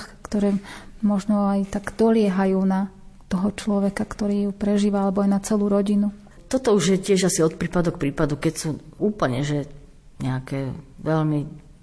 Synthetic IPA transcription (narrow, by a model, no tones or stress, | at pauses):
xkt̪ɔɾɛːmɔʒnɔajt̪aɡd̪ɔlɪɛɦajuːna | t̪ɔɦɔt͡ʃlɔʋɛkakt̪ɔɾiːjupɾɛʒiːʋaalɛbɔajnat͡sɛluːɾɔɟinu | t̪ɔt̪ɔuʒjɛcɪɛʒasiɔt̪̚pɾiːpad̪ɔk̚pɾiːpad̪ukɛcsuuːpl̩ɲɛʒɛ | ɲɛakɛːʋɛʎmi